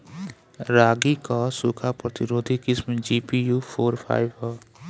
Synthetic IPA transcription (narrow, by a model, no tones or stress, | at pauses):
ɾaːɡikasuːkʰapɾət̪ɪɾoːd̪ʱikɪsmed͡ʒiːpijuːpʰoːɾpʰa̰ːɪʋɦɛː